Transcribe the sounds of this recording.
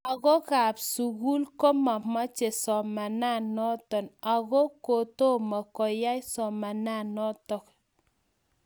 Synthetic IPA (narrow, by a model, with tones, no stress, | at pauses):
a˨ɣɔ˦ka˨psu˨ɣu˦lkɔ˦ma˨ma˦t͡ʃe˨sɔ˨ma˨na˦˨nɔ˦tɔ˨na˨ɣo˦ko˨to˦ma˨kɔ˨ja˦jsɔ˨ma˨na˦˨nɔ˦tɔ˦k